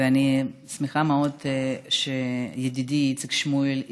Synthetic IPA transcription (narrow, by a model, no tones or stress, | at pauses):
eanismiχameod̪ʃejed̪id̪itt͡sikʃmuel